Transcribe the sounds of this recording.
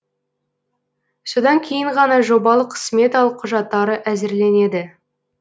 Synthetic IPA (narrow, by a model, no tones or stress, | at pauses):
so̞d̪ɑŋkʲʰe̞jɪɴʁɑnɑʒo̞bɑlˠəqʰːə̥sme̞t̪ɑlˠqʰʊʒɑt̪ːɑɾəʔæzɪɾle̞ne̞d̪ɪ